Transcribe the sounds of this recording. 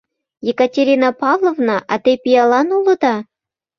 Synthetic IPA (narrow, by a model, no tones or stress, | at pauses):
jekatʲeɾʲinɑpɑvlˠovnɑʔɑt̪epijɑlɑnulɤ̆d̪ɑ